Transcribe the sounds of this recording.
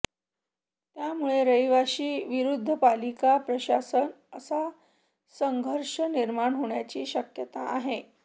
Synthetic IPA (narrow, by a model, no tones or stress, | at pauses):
t̪jamuɭeɾəjʋaɕiːʋiɾud̪ʱːəpalikapɾəɕasən | əsa | səŋɡʱəɾʂəniɾmaɳɦoɳjat͡ɕiːɕəkjət̪aʔaɦe